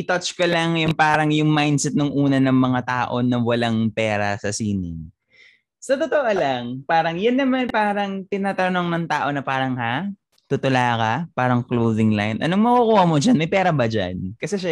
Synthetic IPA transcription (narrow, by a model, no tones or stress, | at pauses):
ʔɪt̪ɐt͡ʃkɐlɐŋjʊŋpaːɾɐŋjʊŋmajnd̪sɛt̪̚noŋʔuːnɐnɐŋmɐŋat̪aːʔo̞nɐwɐlaŋpɛːɾɐsɐsiːnɪ̰ŋ | sɐt̪ot̪oʔolaŋpaːɾɐŋjʊnːɐmanpaːɾɐŋt̪ɪnaːt̪ɐnoŋnɐŋt̪aːʔo̞nɐpaːɾɐŋha | t̪ʊt̪ʊlaːkɐpaːɾɐŋklowðɪŋla̰jnʔɐ̰noŋmɐkukuːhɐmod͡ʒanmɐjpɛːɾɐbɐd͡ʒa̰nkɐsɛʃa